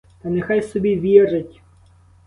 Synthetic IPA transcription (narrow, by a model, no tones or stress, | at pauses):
t̪ɐnexajsɔbʲiʋʲirɪtʲ